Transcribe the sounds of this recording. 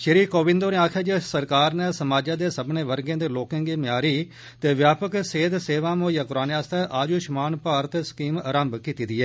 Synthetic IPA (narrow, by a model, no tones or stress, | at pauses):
ʃəɾiːkoːʋɪ̃nd̪oːneːaːkʰaːd͡ʒesəɾkaːɾneːsəmaːd͡ʒãːd̪eːsəbneːʋəɾɡẽːd̪eːloːkə̃ːŋɡiːmɪjaːɾiː | t̪eːʋjaːpəkseːd̪seːʋaːmõːjãːkʊɾaːneːaːst̪ɛːʔaːd͡ʒuːʃəmaːnpaːɾət̪ːsə̥kiːməɾəmbkiːt̪iːd̪iːɛː